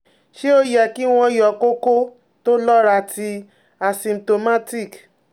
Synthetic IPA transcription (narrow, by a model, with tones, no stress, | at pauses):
ʃe˦o˦jɛ˨ki˦w̃ɔ̃˧jɔ˨ko˦ko˦ | to˦lɔ˦ɾa˧tʰi˧ | a˨sĩ˨mto˧ma˦ti˦˨k